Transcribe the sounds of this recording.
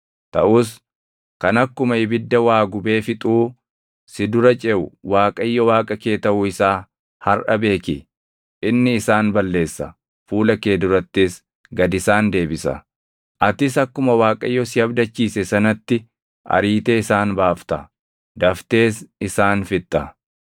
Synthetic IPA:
t̪ɐʔʊs̬ | kɐnɐkːʊmɐhɪbɪd̪ːɐwaːɡʊbe̞ːfɪt̪ʼuː | sɪd̪ʊɾɐt͡ʃʼɛʔʊwaːkʼɐjːɔwaːkʼɐke̞ːt̪ɐʔʊɪsaː | hɐrʔɐbe̞ːkɪ | ʔɪnːɪːsaːnbɐlːe̞ːsːɐ̰ | fuːlɐke̞ːd̪ʊɾɐt̪ːɪs | ɡɐd̪ɪsaːnd̪e̞ːbɪsɐ̰ | ʔɐt̪ɪs̬ɐkːʊmɐwaːkʼɐjːɔsɪɐbd̪ɐt͡ʃːiːsɛsɐnɐt̪ːɪ | ʔɐ̰ɾiːt̪e̞ːɪsaːnbaːft̪ɐ | d̪ɐft̪e̞ːsɪsaːnfɪt̪ʼːɐ

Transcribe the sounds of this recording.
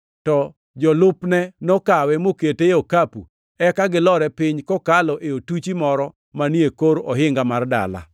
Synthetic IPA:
tɔ | d͡ʒɔlʊpnɛnokawɛmoketeokapṵ | ɛkaɡɪlɔɾɛpɪɲkɔkalɔʔeotut͡ʃimɔɾɔ | maniekoɾɔɦɪŋɡamarda̰la̰

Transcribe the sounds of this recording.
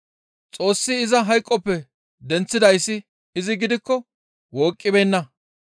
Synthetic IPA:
t͡sʼo̞ːsːɪːzɐɦɐjkʼːɔpːɛ | d̪ɛnt͡sːɪd̪ɐjsːɪː | zɪɡɪd̪ɪkːɔ | woːkʼːɪbenːɐ

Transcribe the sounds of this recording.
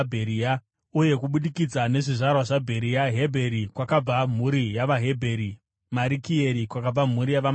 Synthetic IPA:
bʱeɾiːa | uje̞kuɓuɗikid͡zane̞ʐiʐarwaʐabʱe̞ɾijaɦe̞bʱe̞ɾikwakab͡vam̤uɾijaʋaɦe̞bʱe̞ɾi | maɾikieɾikwakab͡vam̤uɾijaʋa

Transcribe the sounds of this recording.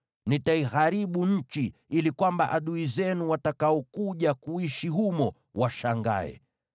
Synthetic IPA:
nitaiɣaɾiɓuɲ̩t͡ʃiilikwambaʔaɗuizɛnuwatakaɔkuʄakuiʃiɦumɔ | waʃaŋɡa̰ɛ̰

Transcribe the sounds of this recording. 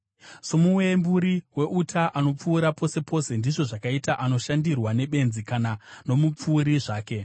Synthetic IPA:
so̞muwembuɾiwe̞ʔutʰaʔano̞p͡fuːɾapo̞se̞pʰo̞ːse̞ndiʐo̞ʐakaitaʔano̞ʃandirwane̞ɓe̞nzikanano̞mup͡fuːɾiʐaːke̞

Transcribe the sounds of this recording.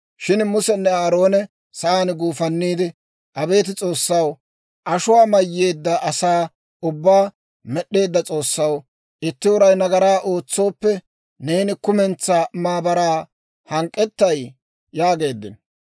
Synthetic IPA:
ʃɪnmʊsɛnːɛaːɾo̞ːnɛ | sɐaːnɡuːfɐnːiːd̪ɪ | ʔɐbe̞ːt̪ɪt͡sʼo̞ːsːɐw | ʔɐʃʊwaːmɐjːe̞ːd̪ːɐʔɐsaː | ʊbːaː | mɛɗːe̞ːd̪ːɐt͡sʼo̞ːsːɐw | ʔɪt̪ːɪwʊɾɐjnɐɡɐɾaːʔo̞ːt͡sːo̞ːpːɛ | ne̞ːnɪkʊmɛnt͡sːaːmaːbɐɾaː | hɐŋkʼːɛt̪ːɐj | jaːɡe̞ːd̪ːɪ̰n

